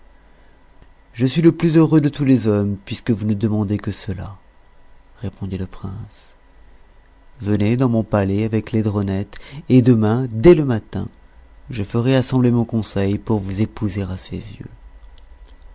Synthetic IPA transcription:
ʒəsɥiləplyzøʁød̪ət̪ulezɔmpɥiskəvunəd̪əmɑ̃d̪ekəsəla̰ | ʁepɔ̃d̪iləpχɛ̃s | vəned̪ɑ̃mɔ̃palɛavɛkled̪ʁɔnɛt̪ed̪əmɛ̃d̪ɛləmat̪ɛ̰̃ʒəfəʁɛasɑ̃blemɔ̃kɔ̃sɛjpuʁvuzepuzeʁasḛzjø̰

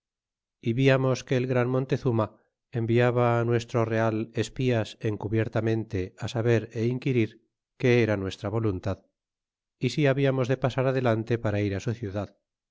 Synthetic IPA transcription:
iβiamo̞ske̞ːlɣɾanmo̞nt̪e̞θuma | embiaβaːnwe̞st̪ɾo̞re̞ale̞spiase̞ŋkuβje̞ɾt̪amẽ̞nt̪e̞asaβe̞ɾe̞iŋkiɾiɾ | ke̞eɾanwe̞st̪ɾaβo̞lunt̪að | isiaβiamo̞zðe̞pasaɾaðe̞lant̪e̞paɾaiɾasuθjuðað

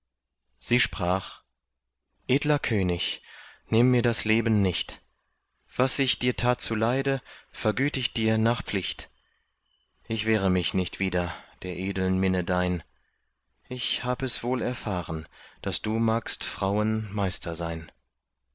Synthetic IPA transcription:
z̥iːʃpʁ̥aːχ | ʔeːdlɐkʰøːnɪçnɪmːiːɐdasleːbn̩nɪçt | v̥asɪçd̥iːɐtʰaːt̚t͡sulaɪdəfɛɐɡyːtɪçd̥iːɐnaːχpp͡flɪçt | ʔɪçv̥ɛːʁəmɪçnɪçtv̥iːdɐd̥eːɐʔeːdl̩nmɪnədaɪn | ʔɪçhaːbəɛsv̥oːlɛɐfaːʁənd̥asd̥uːmaːkstfʁ̥aʊənmaɪstʰɐzaɪn

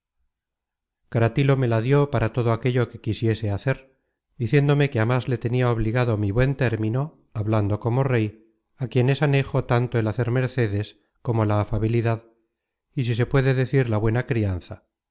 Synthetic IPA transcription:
kaɾat̪ilo̞me̞laðjo̞paɾat̪o̞ðoake̞ʎo̞ke̞kisje̞se̞aθe̞ɾ | d̪iθje̞nd̪o̞me̞keamazle̞t̪e̞niao̞β̞liɣ̞aðomiβwe̞nt̪e̞ɾmino̞ | aβland̪o̞ko̞mo̞re̞j | akje̞ne̞sane̞xo̞t̪ant̪oe̞laθe̞ɾme̞ɾθe̞ðe̞s | ko̞mo̞laːfaβ̞iliðað | is̬is̬e̞pwe̞ðe̞ðe̞θiɾlaβwe̞nakɾian̟θa

